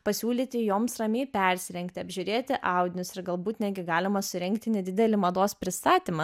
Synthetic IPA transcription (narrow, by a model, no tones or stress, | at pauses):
pɐsʲuːlʲiːt̪ʲɪjoːmsrɐmʲeːpʲɛɾʲsʲɪɾʲɛŋkt̪ʲɪɐbʲʒʲʊɾʲeːt̪ʲɪʔɑʊd̪ʲɪnʲʊsɪɾɡɐlˠbuːt̪nʲæːɡʲɪɡɑːlʲɪmɐsʊɾʲɛŋkt̪ʲɪnʲɛd̪ʲɪd̪ʲɛlʲɪmɐd̪oːspʲɾʲɪst̪ɑːt̪ʲimɐ